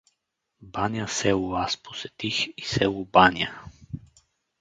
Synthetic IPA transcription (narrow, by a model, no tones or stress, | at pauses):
banjasɛʊvaspo̥sɛt̪ixisɛʊbanʲja